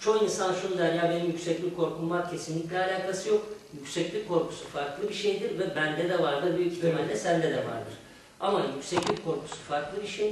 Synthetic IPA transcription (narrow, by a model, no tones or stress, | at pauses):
t͡ʃʰo̞kinsanʃunud̪aɾjaːbe̞nimjycsɛclʲikʰo̞ɾkunmacʰe̞sinlʲic̬ʲlʲɛalʲaːkʰasɯjo̞kjycsɛclʲikʰo̞ɾku̥sufaɾklˠɯbiʃejnd̪iɾvɛbænd̪ɛd̪ɛvaɾd̪ɯɾbyjycʰid̪ømɛndʲɛsænd̪ɛd̪ɛva̰ɾd̪ɯɾ̥ | amajycsɛclʲikʰo̞ɾkʰu̥su̥faɾklˠɯbiʃej